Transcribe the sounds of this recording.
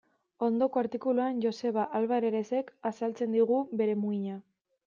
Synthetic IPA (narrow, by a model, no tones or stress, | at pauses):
o̞nd̪o̞ko̞aɾt̪ikuluanʝo̞se̞βaʔalβaɾe̞ɾe̞se̞kasalt͡se̞nd̪iɣ̞ube̞ɾe̞muiɲa